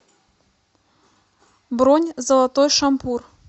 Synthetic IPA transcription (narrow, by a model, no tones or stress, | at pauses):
bɾɔnʲzəlˠat̪ojʂɐmpur